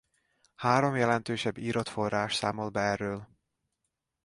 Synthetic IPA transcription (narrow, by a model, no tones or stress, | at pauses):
haːɾo̞mjɛlɛnt̪øːʃɛbːiːɾot̪fo̞raːʃsaːmolbɛrːøːl